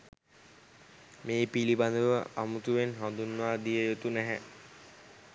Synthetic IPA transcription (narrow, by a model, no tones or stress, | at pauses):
meːpiliband̪uʋəamut̪uʋenɦɔ̃nd̪unːaːd̪ijəjot̪unæɦɛ